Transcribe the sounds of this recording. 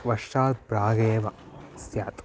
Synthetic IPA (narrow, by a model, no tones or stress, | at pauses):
ʋɐʂʈaːt̪̚pɾaːɡeːʋɐ | sjaːt̪